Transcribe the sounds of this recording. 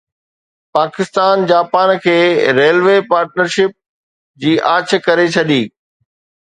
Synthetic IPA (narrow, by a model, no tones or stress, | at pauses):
paːkɪst̪aːnd͡ʑaːpaːnkʰeːɾeːlʋeːpaːɾʈnəɾʃɪp̚ | d͡ʑiːʔaːt͡ɕ̆ʰkɐɾet͡ɕʰɐɗiː